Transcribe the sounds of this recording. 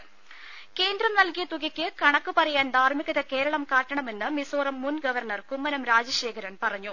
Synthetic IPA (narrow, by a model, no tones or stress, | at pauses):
ke̞ːnd̪rɐmnɐlkijɐt̪uɣikʲːɨkɐɳɐkːɨpɐrɐjaːnd̪ʱaːrmiɣɐðɐke̞ːɾɐɭɐmkaːʈːɐɳɐme̞nːɨmisoːrɐmːunɡɐʋɐrɳɐrkumːɐnɐmɾaːd͡ʑɐɕe̞ːkʰɐɾɐnpɐrɐɲːu